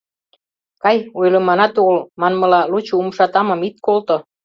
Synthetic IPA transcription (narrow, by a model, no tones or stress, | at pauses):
kɑjojlə̆mɑnɑt̪oɣlmɑnmɤ̆lɑlut͡ɕoumʃɑt̪ɑmə̆mit̪̚kolt̪o